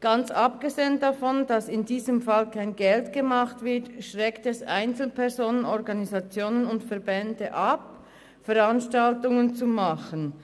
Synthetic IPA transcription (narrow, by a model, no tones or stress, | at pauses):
ɡ̥ɑnt͡sap̚ɡ̥əzeːəndafɔnd̥asɪndiːzəmfalkʰaɪnɡɛltɡ̥əmaχtv̥ɪɐtʃʁɛktɛsʔa̰ɪnt͡sl̩pʰɛʁzoːnənɔʁɡɑnizat͡sjoːnənʊntfɛɐbɛndəʔap | fɛʁanʃtaltʊŋənt͡sumɑχən